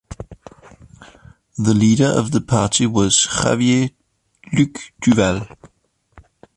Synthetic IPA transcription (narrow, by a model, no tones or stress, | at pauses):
ðəliːɾə˞ʔə̰vðəpʰɑˑtiwɒz̥xa̰vje | lʉkd̥ʉvɛl